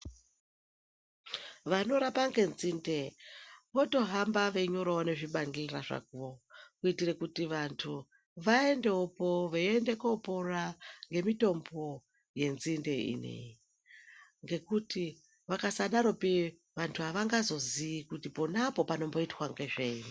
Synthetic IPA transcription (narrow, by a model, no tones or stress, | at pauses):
ʋano̞ɾapaŋɡe̞nzinde̞ʋo̞to̞ɦambaʋe̞ɲo̞ɾaone̞ʐiɓaŋɡiriraʐa̰kuʋokuitire̞kutiʋantʰu | ʋae̞nde̞opo̞ʋeende̞koporaŋɡe̞mito̞mbo̞ | je̞nzinde̞ḭnḛji | ŋɡe̞kuti | ʋakasaɗaɾo̞pi | ʋantʰuɦaʋaŋɡazo̞ziikutiponapo̞pano̞mbo̞itwaŋɡe̞ʐeni